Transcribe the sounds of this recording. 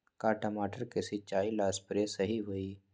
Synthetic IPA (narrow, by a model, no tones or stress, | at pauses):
kaːʈəmaːʈəɾkesɪt͡ʃːaːilaːspɾesəɦiɦoːiː